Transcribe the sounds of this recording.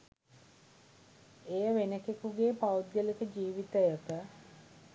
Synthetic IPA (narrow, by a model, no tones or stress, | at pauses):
ejəʋenəkekuɡeːpawd̪jəlekəd͡ʒiːʋit̪əjəkə